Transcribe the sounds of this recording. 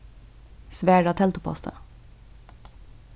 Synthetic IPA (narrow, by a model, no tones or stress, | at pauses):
sʋæːɖɑt̪ʰɛlt̪ʊpʰɔ̰st̪ʰə̰